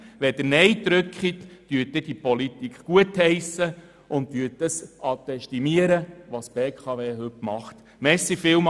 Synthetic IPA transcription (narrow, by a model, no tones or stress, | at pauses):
ʋɛd̪ənɛjd̪ɾʏkχitd̥yːt̪̚ːɪd̥ipɔlit̪ikχkuəthɛɪsə | ʊnttyːt̚dəsʔɑt̪ɛʃtimiəɾəʋɑsb̥eːkʰχɑʋeːɦɵtmɑχt̪ | mɛsːifɪːwm